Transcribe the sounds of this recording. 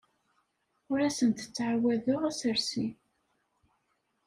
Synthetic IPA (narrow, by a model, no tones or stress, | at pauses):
ʊɾæsənt̪ə̥t͡sːʕawæðʊʁæsəɾsi